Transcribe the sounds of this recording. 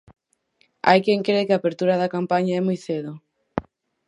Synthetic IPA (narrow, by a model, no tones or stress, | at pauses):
a̰jkeŋkɾekɪapeɾt̪uɾaðakampaɲaɛmujθeðo